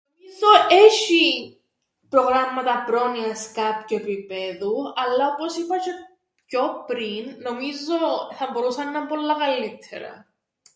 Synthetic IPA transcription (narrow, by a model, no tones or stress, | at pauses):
nomizoʔeʃi | pɾoɣɾɐmːɐt̪ɐpɾo̞niɐskɐpçue̞pipe̞ðuɐlːɐoposipɐce | copɾinːo̞mizo̞θɐbo̞ɾusɐnːɐmpo̞lːɐkɐlːit̪ʰḛɾɐ̰